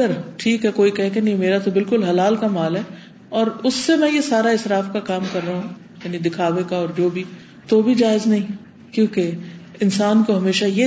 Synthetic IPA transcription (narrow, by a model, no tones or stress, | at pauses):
əɾʈʰiːkɦɛkoːikɛɦẽkenɐɦĩmeːɾat̪obɪlkʊlɦɐlaːlkamaːlɦɛ | ɔːɾʊsːemɛ̃jesaːɾaɪsɾaːfkakaːmkɐɾːɐːɦũ | jaːnid̪ɪkʰaːʋekaɔːɾd͡ʒoːbʱi | t̪obʱid͡ʒaːɪznɐɦĩ | kjõːke | ɪnsaːnkoɦɐmeːʃaje